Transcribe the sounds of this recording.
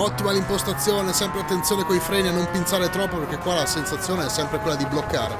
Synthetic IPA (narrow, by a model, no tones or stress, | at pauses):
ɔt̪ːimalimpost̪at̪sːjoːneɛsːɛmpɾeat̪ːent̪sjoːnekoifɾɛːnianːompintsaːɾet̪ɾɔpːoperk̟ekːwalasensat̪sːjoːneɛsːɛmpɾekwelːad̪iblokːa̰ːɾe